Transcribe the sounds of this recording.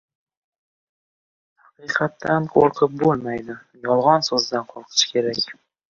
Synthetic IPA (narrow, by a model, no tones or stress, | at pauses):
hɑqɨqʰɑt̪ʰːanqʰoɾqʰɨp̚bolˠmajd̪ɪ | jɒlˠʁɒnsɵzd̪anqʰoɾqʰɨ̥t͡ʃʰkʲʰe̞ɾakʲ